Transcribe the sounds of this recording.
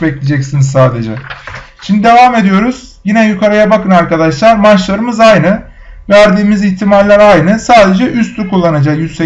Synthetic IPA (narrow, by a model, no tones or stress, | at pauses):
bɛclʲed͡ʒɛcsinizsaːd̪e̞d͡ʒɛ̰ʃimd̪id̪e̞vaːme̞d̪ijo̞ɾuz̥ | jinɛjykʰaɾajabakɯnaɾkad̪aʃlˠaɾmat͡ʃlˠaɾɯmɯzajnɯ | væɾd̪iːmiziçt̪ʰimalʲlʲæɾajnɯsaːd̪e̞d͡ʒɛʔyst̪ʰyɾkʰulˠːanad͡ʒakjyzse